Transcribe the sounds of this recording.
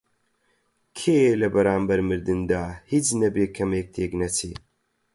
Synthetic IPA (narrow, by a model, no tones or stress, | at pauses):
kʰeːlɐbɐɾaːmbɐɾmɨɾd̪ɨnd̪aːhit͡snɐbeːkʰɐmeːk̚t̪ʰeːknɐt͡sʰi